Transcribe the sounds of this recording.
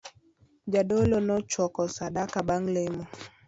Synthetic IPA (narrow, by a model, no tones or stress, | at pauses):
d͡ʒaɗolonɔt͡ʃwɔkɔsaɗakaɓaŋlemo